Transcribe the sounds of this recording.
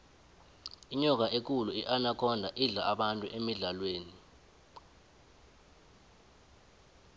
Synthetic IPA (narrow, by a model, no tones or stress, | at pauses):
iɲɔk̬ʼaʔek̬uluiʔanakʰɔndʱaʔiɮaaɓantʼuʔemiɮalweːni